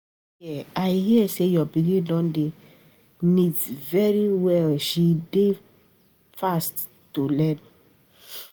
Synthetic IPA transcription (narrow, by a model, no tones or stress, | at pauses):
jɛajhiəsejɔbiɡĩdɔ̃nde | nidsvɛɹiwɛlʃide | fastː | ulɛ̃n